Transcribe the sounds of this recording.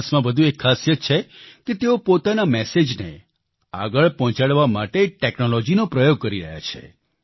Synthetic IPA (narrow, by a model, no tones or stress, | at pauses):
smãbəd̪ʱũekʰːasjət͡ʃʰeket̪eopot̪anamɛsed͡ʒnḛ | a̰ɡəɭpɔɦt͡ʃaɽʋamaʈeʈeknolɔd͡ʒinopɾəjoɡ̚kəɾiɾə̰ɦja̰t͡ʃʰḛ